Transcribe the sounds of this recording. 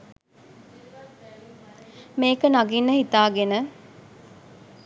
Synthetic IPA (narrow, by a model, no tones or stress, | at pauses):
meːkənaɡinːəhit̪aːɡenə